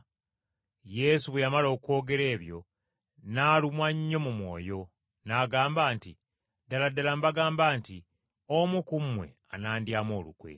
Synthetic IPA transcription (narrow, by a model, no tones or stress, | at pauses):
je̞suβwejamalo̞ːkwo̞ːɡe̞ɾe̞ːβjo̞ | naːlumwaɲːo̞mumwo̞̰ːjo̞ | naɡaːmbaːnti | daladalambaɡaːmbaːnti | omukumwe̞̰ | a̰naːndjaːmo̞ːlṵkwḛ